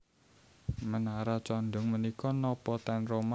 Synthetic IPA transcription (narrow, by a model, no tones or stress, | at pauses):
mənaɾat͡ʃɔnd̪ɔŋmənikɔnɔpɔt̪ɛnroma